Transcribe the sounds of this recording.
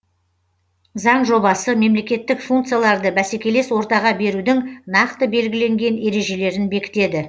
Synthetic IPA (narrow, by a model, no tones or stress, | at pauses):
zɑɴʒo̞bɑsəme̞mle̞kʲe̞t̪ːɪkfuŋk̚t̪sɨjalˠɑɾd̪əbæse̞kʲe̞le̞swo̞ɾt̪ɑʁɑbe̞ɾud̪ɪŋnɑqt̪əbe̞lɡʲɪle̞ŋɡʲe̞ne̞ɾe̞ʒe̞le̞ɾɪnbe̞kʲɪ̥t̪e̞d̪ɪ